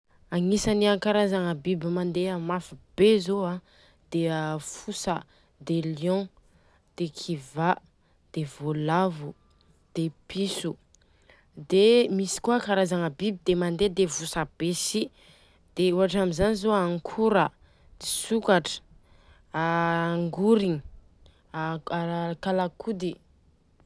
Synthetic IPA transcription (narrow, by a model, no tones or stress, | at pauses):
aŋisaniakaɾazaŋəbibimand̪eamafib̥ezoa | d̪̥efusə | d̪eljɔ̃ | d̪̥ekʰiva | d̪̥evolavu | d̪̥episu | d̪emisi̥kwakaɾazaŋəbibid̪emand̪ed̪evusab̥esi | d̪̥euɦaʈ͡ʂamizanizoaŋkʰuɾə | d̪̥isukaʈ͡ʂə̥ | aŋɡuɾiɲi | akalakʰud̪i